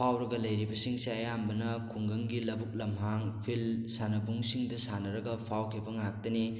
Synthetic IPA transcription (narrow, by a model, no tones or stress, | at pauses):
pʰawɾɐɡɐlɐjɾibɐsiŋsiɐjambɐnɐkʰuŋɡɐŋɡilɐbuk̚lɐmɦaŋpʰilsanɐbuŋsiŋdɐsanɐɾɐɡɐpʰawkʰibɐŋak̚tɐni